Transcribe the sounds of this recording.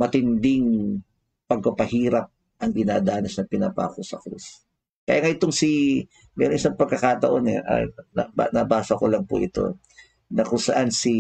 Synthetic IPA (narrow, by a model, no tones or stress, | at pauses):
mɐt̪ɪnd̪ɪŋ | pɐɡ̚kɐpɐhiːɾɐp̚ | ʔɐŋɡɪnaːd̪aːnɐsnɐpɪnɐ̰pa̰ːkosɐ̰kɾṵs | kɐjaːŋaʔɪt̪oŋsi | mɛːɾoŋʔɪsaŋpɐɡ̚kɐkat̪ɐʔo̞nɛ̰ʔa̰nɐba̰nɐbaːsɐkolɐŋpʊ̰ʔɪt̪o̞̰ | nɐkʊŋsɐʔansi